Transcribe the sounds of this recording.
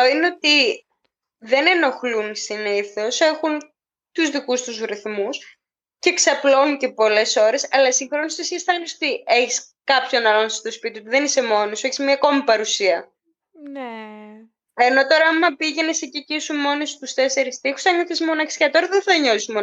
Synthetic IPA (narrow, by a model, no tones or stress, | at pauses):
oineo̞t̪i | ðe̞ne̞no̞xlunsiniθo̞se̞xun | t̪uzðikust̪uzɾiθmus | ceːksɐplo̞nicepo̞le̞so̞ɾesɐlɐsiŋxɾo̞nisot̪isçeisθɐleisot̪ieçis | kɐpço̞nɐlonsst̪o̞spit̪iot̪iðe̞nise̞mo̞nesueçi̥zmɲɐko̞mipɐɾusiɐ | ne | e̞no̞t̪o̞ɾɐɐɐmɐpiʝe̞nesecicisumo̞nest̪ust̪e̞se̞ɾist̪ixu̥sɐɲoθesmo̞nɐçe̥scɐt̪oɾɐðenθɐɲo̞sismo